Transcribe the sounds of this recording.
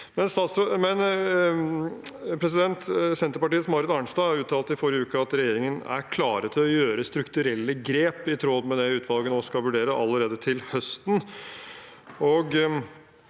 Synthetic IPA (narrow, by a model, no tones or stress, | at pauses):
mɛnst̪ɑːt̪smɛn | pʰɾɛs̬ɪd̪ɛnt̪sɛnt̪əɾpɑʈiːəsɔmɑɾɪt̪ɑɳst̪ɑːɑɾʉːt̪ʰɑːlt̪ɪfɔɾjəʉːkəɑt̪ɾɛjeːɾɪŋənæ̰ɾkʰlɑːɾət̪ʰɪlɔjøːɾəst̪ɾʉkt̪ʉɾɛlːəɡɾeːpɪt̪ʰɾod̪mɛd̪ɛʉːt̪ʰʋɑlɡənoːskɑʋʉɖeːɾəʔɑ̰lːəɾeːd̪ət̪ʰɪlhœst̪n̩ | ɔɡ